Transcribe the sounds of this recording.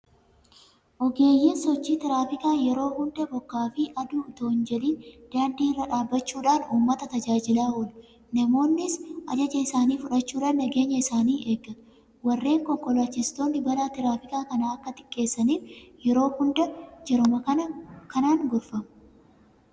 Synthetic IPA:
ʔɔɡe̞ːjːiːnsɔt͡ʃːiːt̪ɪɾaːfɪkaːjɛɾo̞ːhʊnd̪ɐbɔkːaːfiʔɐd̪uːɪt̪oːnd͡ʒɛliːnd̪̥aːnd̪iːɪrːɐᶑaːbːɐt͡ʃːuːᶑaːnuːmːɐt̪ɐt̪ɐd͡ʒaːd͡ʒɪlaːhɔl | nɐmo̞ːnːɪsʔɐd͡ʒɐd͡ʒɐɪsaːniːfʊᶑɐt͡ʃːuːᶑaːnːɐɡe̞ːɲːɐɪsaːniːʔe̞ːɡːɐ | wɐrːe̞ːŋkɔŋkɔlaːt͡ʃːɪst̪o̞ːnːɪbɐlaːt̪ɪɾaːfɪkaːkɐnaɐkːɐt̪ɪ̥kʼːe̞ːsːɐniːfjɛɾo̞ːhʊnd̪ɐd͡ʒɛɾʊmɐkɐnɐkɐnaːŋɡʊɾfɐmʊ̥

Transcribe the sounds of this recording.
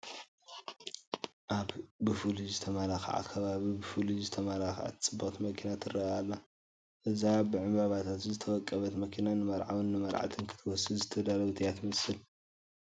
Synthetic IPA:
ʔaβbɨfɨlizɨt̪ʰɐmalaxa̰ʕa̰kʰɐβaβibɨfɨlizɨt̪ʰɐmalaxʕa̰t̪ʰt͡sʼɨbːat̪mɐkʰinat̪ʰɨrɐalːa | ʔɨzabɨʕɨmbaβat̪ʰat̪zɨt̪ʰɐwɔkʼːɐβɐt̪mɐkʰinanɨmɐɾʕa̰wɨnːɨmɐɾʕa̰t̪ʰɨnkʰɨ̥t̪ʰɨwɔsɨzɨt̪ʰːɐd̪alɐɡt̪ʰijat̪mɐsɨl

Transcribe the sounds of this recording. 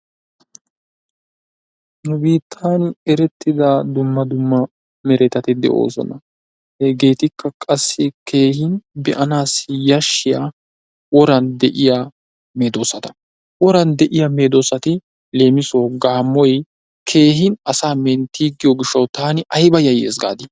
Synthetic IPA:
nʊbiːt̪ʰːaːnɛɾɛt̪ːɪd̪aːd̪ʊmːɐd̪ʊmːɐ | mɛɾɛt̪ɐt̪ɪd̪ɛ̰ʔo̰ːsɔ̰nɐ̰ | hɛɡe̞ːt̪ɪkʰːɐkʼɐsːɪkʰe̞ːhɪnbɛʔɐnaːsɪjɐʃːɪjaː | wɔɾɐnd̪ɛʔɪjaː | me̞ːd̪o̞ːsɐt̪ɐ̥ | wɔɾɐnd̪ɛʔɪjame̞ːd̪o̞ːsɐt̪ɪ | le̞ːmɪsoːɡaːmːɔj | kʰe̞ːɦɪnɐsaːmɛnt̪ːiːɡːɪjɔɡɪʃːɐwt̪aːnɪʔɐjbɐjɐjḛːzɡa̰ːd̪ɪ

